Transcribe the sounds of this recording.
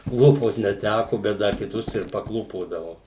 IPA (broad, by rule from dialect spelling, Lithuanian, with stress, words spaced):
ˈklˠuːpoːt nʲɛˈtʲækʊ bʲɛt ˈdɐr kʲɪˈtʊs ɪr pɐˈklˠuːpoːdɐʋoː